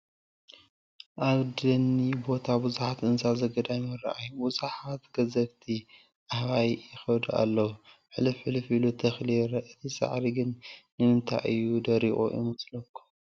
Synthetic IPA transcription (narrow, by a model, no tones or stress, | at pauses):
ʔaβd̪ɐnːibo̞t̪ʰabɨzuħat̪ɨnzazɐɡɐd̪aɲɨɾɐ̰ʔajubɨzaħat̪ɡɐzɐɡt̪ʰi | ʔahβajjɪxɐwd̪a̰lːɐwuħɨlɨfħɨlɨfilut̪ʰɐxliɾʔɨt̪ʰisa̰ʕɾiɡɨnː | ɨmɨnt̪ʰa̰jʔɨjːud̪ɐɾiχʼṵʔḭmɨslɐkʰːu̥